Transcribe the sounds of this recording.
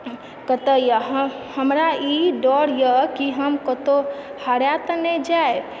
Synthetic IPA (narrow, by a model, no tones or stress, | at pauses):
kət̪əjaɦhəmɾaiɖɔɽjəkiɦəmkət̪ohəɽjat̪ənɛd͡ʒae